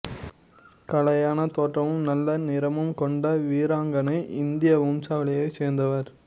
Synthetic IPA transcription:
kɐlɐjaːnɐt̪oːʈrɐʋɯmnɐlːɐnɪɾɐmɯmkɔɳɖɐʋiːɾaːŋɡɐnɐɪʔɪnd̪ɪjɐʋʊmsaːɐɭɐjɐɪseːɾnd̪ɐʋɐɾ

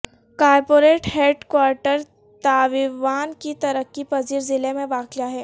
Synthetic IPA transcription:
kaːɾpoːɾeːʈheːɖkwaːɾʈəɾ | t̪aːʋɪʋaːnkit̪ɐɾəkːipɐziːɾzɪlemẽʋaːkɪjaɦɛː

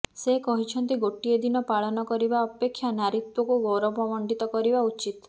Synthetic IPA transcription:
sekɔɦit͡ʃʰɔnt̪iɡoʈied̪inɔpaɭɔnɔkɔɾibaɔpekʰːjanaɾit̪wɔkuɡɔɾɔbɔmɔɳɖit̪ɔkɔɾibaut͡ʃit̪

